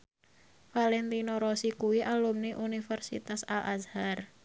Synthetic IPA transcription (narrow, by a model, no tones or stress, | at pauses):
falɛnt̪inoɾosikuwiʔalumniʔunifərsḭt̪asalʔa̰zhar